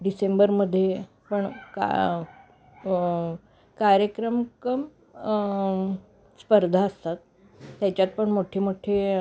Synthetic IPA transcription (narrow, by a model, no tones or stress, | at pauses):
ɖisembəɾməd̪ʱːje | pəɳka̰ | kaɾjəkɾəmkəm | spəɾd̪ʱaəst̪at̪ː | jat͡ɕjat̪̚pəɳmoʈʰemoʈʰe